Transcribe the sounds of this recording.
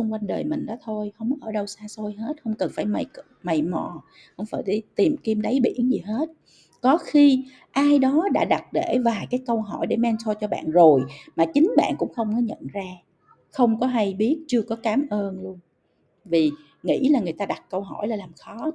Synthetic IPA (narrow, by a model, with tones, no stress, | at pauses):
t͡ɕɔ˧ŋ͡mkwa˧jŋɗəː˨˩jmï˨˩ŋ̟ɗɔ˨˦t̪ʰo˧jhə˧wŋ͡mʔəː˧˩ɗə˧wsaː˧so˧jɦe˦˥t̚hə˧wŋ͡mkə˨˩nfaː˧˩jma˨˩j | ma˨˩jmɔ̰˧˨ | hə˧wŋ͡mfaː˧˩jɗə˧˨˦jt̪i˨˩mki˧mɗə˨˦jɓḭ˧˩˥ənzi˨˩ɦe˦˥t̚ | kɔ˨˦xi˧ | ʔaː˧jɗɔ˨˦ɗa̰ː˧˥ɗa˨˩t̚ɗe˧˩vaː˨˩jkaː˨˦jkə˧wɦɔ˧˩jɗe˧˩mɛ˧nsɔ˧jt͡ɕɔ˧ɓa̰ː˧˨nzo˨˩jmaː˨˩t͡ɕï˨˦ŋ̟ɓa̰ː˧˨nkʊ̰˧˥ŋ͡mxə˧wŋ͡mkɔ˨˦ɲə̰˧˨nzaː˧ | xə˧wŋ͡mkɔ˨˦ɦa˧jɓi˦˥ət̚t͡ɕɨ˧əkɔ˨˦kaː˨˦mʔəː˧nlu˧ən | vi˨˩ | ŋḭ˧˥laː˨˩ŋɨ˨˩əjt̪aː˧ɗa˨˩t̚kə˧wɦɔ˧˩jlaː˨˩laː˨˩mxɔ˨˦